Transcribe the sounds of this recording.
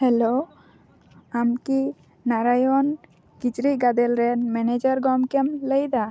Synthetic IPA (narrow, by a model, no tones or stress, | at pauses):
hɛlo | amki | naɾajɔn | kit͡ʃɾiɡad̪ɛlɾɛnmɛned͡ʒəɾɡɔmkɛmləjd̪a